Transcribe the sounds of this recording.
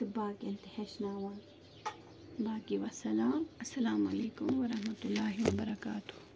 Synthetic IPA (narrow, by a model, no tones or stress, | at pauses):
t̪ɪbaːkɐnt̪ɪheʃnaːwan | baːkiʋasɐlaːmɐsːɐlaːmɐleːkʊmʋɐɾɐhmɐt̪ʊlːaːɦiwɐbɐɾɐkaːt̪ʊh